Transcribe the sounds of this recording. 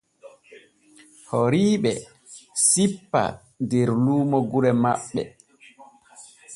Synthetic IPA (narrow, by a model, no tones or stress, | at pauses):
hɔɾiːɓɛ̰ | sipːa̰ | ndeɾluːmɔɡuɾɛmaɓːɛ̰